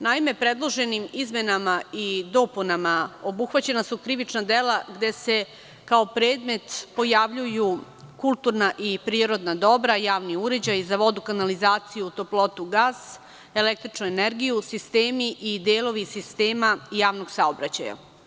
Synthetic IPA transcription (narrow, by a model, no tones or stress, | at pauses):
naime̞pɾed̪lˠo̞ʒe̞nimizme̞namaid̪o̞punamao̞buxʋat͡ɕe̞nasukɾiʋit͡ʃnad̪e̞lˠaɡd̪e̞se̞ | kao̞pɾeːd̪me̞t̪po̞jaʋʎuju | kulˠt̪uɾnaʔipɾiːɾo̞d̪nad̪o̞bɾajaːʋniuɾe̞d͡ʑajzaʋo̞d̪ukanalizaːt̪sijuut̪o̞plˠo̞t̪uɡaːs | e̞lek̚t̪ɾit͡ʃnueneɾɡijusist̪e̞ːmiʔid̪eːlˠo̞ʋisist̪e̞ːmaijaːʋno̞ɡsaobɾat͡ɕa̰ja̰